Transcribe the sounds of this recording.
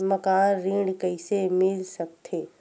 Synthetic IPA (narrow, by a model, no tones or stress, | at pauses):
məkaːɾːĩːɖkəɪsemɪlsək̚t̪ʰeː